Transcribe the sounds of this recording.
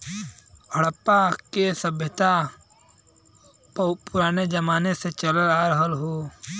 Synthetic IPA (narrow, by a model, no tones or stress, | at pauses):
əɽəpːakesəbʱjət̪a | pʊɾaːned͡ʒəmaːneset͡ʃələɾaːɾəɦəlɦoː